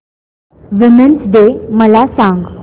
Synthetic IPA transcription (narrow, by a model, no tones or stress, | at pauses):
ʋimənsd̪eməlasãŋɡ